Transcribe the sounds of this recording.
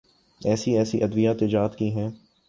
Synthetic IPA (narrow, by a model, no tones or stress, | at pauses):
ɛːsiɛːsiʔɐd̪ʋijaːt̪ɪd͡ʒaːt̪kiɦɛ̃ː